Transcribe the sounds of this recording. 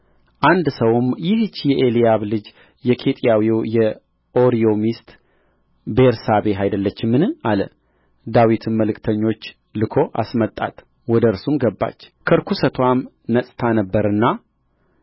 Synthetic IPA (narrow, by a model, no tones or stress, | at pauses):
ʔand̪səwmjɪhɨt͡ʃːjɛʔelijaβlɨd͡ʒ | jɛkʰe̞t̪ʼijawiwjɛ | ʔo̞ɾio̞mist̪ | beɾsaβe̞ɦajd̪əlːət͡ʃːɪmːɨnɨalə | d̪awit̪ʰɨmməlɨkʰʼt̪ʰəɲːo̞t͡ʃː | lɨkʰo̞ʔa̰smət̪ʼːa̰t̪ | wɔd̪əɨɾsumɡəbːa̰t͡ʃːkʰəɾkʰusət̪ʰwam | nəsʼt̪ʰanəbːəɾɨnːa